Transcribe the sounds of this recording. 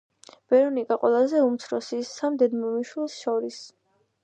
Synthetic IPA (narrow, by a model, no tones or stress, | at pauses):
b̥ɛɾɔnikʼaqʼwɛ̰lˠazɛumt̪sʰɾɔsisːamd̪ɛd̪mɔmiʃwilˠsʃɔɾis